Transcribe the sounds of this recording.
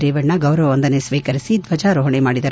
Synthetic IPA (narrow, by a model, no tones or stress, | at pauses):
ɾeːʋɐːɐɡɐwɾɐʋɐʋɐnd̪ɐnesʋiːkɐɾisid̪ʋɐd͡ʒaɾoːɦɐɳemaːɽid̪ɐɾ